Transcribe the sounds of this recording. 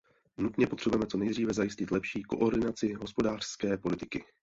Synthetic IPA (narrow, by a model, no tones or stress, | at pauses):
nut̪ɲɛpo̞t̪r̝ɛbujɛmɛt͡so̞nɛjd̪riːvɛzajɪscɪt̪lɛpʃiːko̞̰ʔo̞ɾdɪnat͡sɪɦo̞spo̞daːr̥skɛːpo̞lɪt̪ɪkɪ